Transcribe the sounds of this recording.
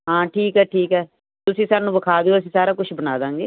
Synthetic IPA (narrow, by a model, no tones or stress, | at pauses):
ɦãːʈʰiːkɦɛːʈʰiːkɦɛː | t̪ʊsĩːsaːnũːbəkʰaːd̪eoːəsĩːsaːɾaːkʊt͡ʃʰbənaːd̪ãːŋɡḛː